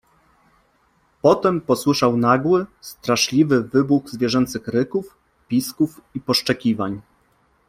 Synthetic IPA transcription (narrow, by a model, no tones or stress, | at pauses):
pɔt̪ɛmpɔswɘʂawnaɡwɘst̪ɾaʂlʲivɘvɘbuɣzvʲjɛʐɛnt̪sɘxɾɘkuf | pʲiskufipɔʂt͡ʂɛkʲivaɲ